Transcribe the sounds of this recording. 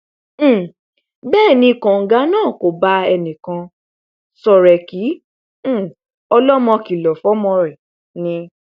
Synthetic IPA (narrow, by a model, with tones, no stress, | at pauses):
bɛː˦˨nĩ˧˨kã˨ŋ̩˨ɡa˨˦nãː˦˨ko˨ba˦ɛ˧nĩ˨kã˧ | sɔ˨ɾɛ˨kĩ˨˦˨ | ɔ˧lɔ˦mɔ̃˧ki˨lɔ˨fɔ˨˦mɔ̃˧ɾɛ˨ | nĩ˧